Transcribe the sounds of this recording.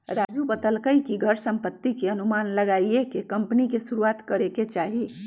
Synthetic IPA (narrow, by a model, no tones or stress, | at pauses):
ɾad͡ʒubət̪əlkəjkiɡʱəɾsəmpət̪ːikeənumanləɡaiekekəmpnikesuɾuat̪kəɾeket͡ʃaɦi